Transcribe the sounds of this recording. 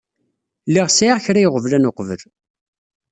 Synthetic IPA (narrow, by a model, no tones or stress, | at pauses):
lːiʁsaʁçɾæjʁəvlænoqvəl